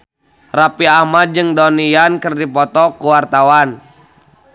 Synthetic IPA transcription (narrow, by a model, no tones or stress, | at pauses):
rapiamad͡ʒɨŋdɔnijankɨrdipɔt̪ɔkuwart̪awan